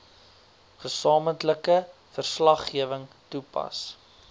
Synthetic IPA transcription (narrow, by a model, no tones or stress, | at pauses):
χəsɑːməntləkə | fərslɐχːiəvəŋ | tupɐ̰s